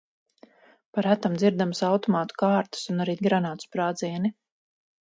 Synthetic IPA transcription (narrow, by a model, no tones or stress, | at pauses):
paɾæt̪amd̪ziɾd̪amsawt̪ɔmaːt̪u̥kaːɾt̪u̥sunaɾiːɡɾanaːt̪u̥spɾaːd̪ziɛni